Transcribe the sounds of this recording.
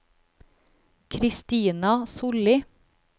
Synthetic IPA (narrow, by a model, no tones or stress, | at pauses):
kʰɾɪst̪iːnɑsʊlɪ